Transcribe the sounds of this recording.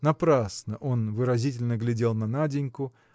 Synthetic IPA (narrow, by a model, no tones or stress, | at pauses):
nɐpɾasnəʔo̞nvɨɾɐzʲitʲɪlʲnəɡlʲɪdʲe̞lˠnɐnadʲɪnʲkʊ